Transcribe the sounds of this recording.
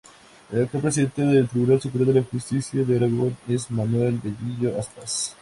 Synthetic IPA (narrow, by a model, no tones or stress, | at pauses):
elak̚t̪opɾesiðe̞nt̪eðelt̪ɾiβunalsupɾeoðelaxust̪isjaðeaɾaɣonesmanwelbeʎiʝoaspas